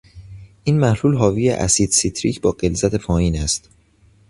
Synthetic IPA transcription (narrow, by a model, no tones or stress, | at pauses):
ʔiːnmæhluːlɦɒːviːjḛʔæ̰sid̪sit̪ʰɾiːcʰbɒːɢelzæt̪ʰe̞fɒːiːnæst̪